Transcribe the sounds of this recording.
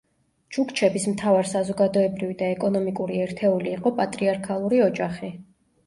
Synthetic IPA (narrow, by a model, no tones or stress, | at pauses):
d͡ʒukt͡ʃʰɛbismt̪ʰavaɾsazɔɡad̪ɔɛbɾivid̪aɛkʼɔnɔmikʼuɾiɛɾt̪ʰɛuliːqʼɔpʼat̪ʼɾiaɾkʰalˠuɾiɔd͡ʒaχi